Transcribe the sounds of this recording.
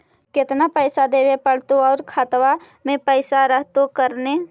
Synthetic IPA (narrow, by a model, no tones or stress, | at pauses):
kɪt̪napəɪsad̪eːwepəɽ̤t̪oɔːɾkʰat̪wa | mẽpəɪsaɾəɦt̪okəɾne